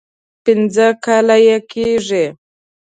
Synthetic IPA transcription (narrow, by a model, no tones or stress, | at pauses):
pɪnd͡zəkalajekiʐe